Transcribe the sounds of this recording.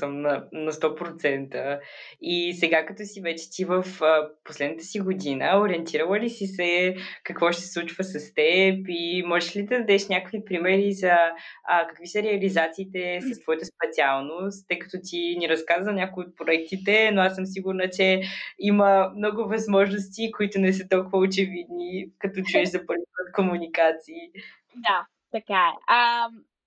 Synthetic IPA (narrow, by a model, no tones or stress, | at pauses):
səmnɐnɐst̪ɔpɾot̪sɛnt̪ə | isɛɡakɐt̪ɔsivɛt͡ʃɛ̥t̪ivəfəposlɛd̪nt̪ə̥siɡod̪inəoɾiɛnt̪iɾəlˠəlisisɛkɐkvɔʃt̪sɛslˠut͡ʃvəsɐst̪ɛpimɔʒɛʃlid̪ɐd̪ɐd̪ɛʃnʲakəkvipɾimɛɾizɐːkə̥kvisəɾɛɐlizat̪siːt̪ɛsɐst̪vɔjət̪əspɛt̪sʲialˠnost̪ːɤjkɐ̥t̪ɔt̪iniɾɐskaznʲakoiot̪̚pɾoɛk̚t̪it̪ɛnoasɤms̬iɡuɾnət͡ʃɛiməmnɔɡʊvɐzmɔʒnost̪ikoit̪ʊnɛs̬ət̪ɔlˠkʊvəot͡ʃɛvid̪nikɐt̪ɔt͡ʃuɛʃzɐpəɾvipət̪komunikat̪siː | d̪a | t̪ɐkaɛəm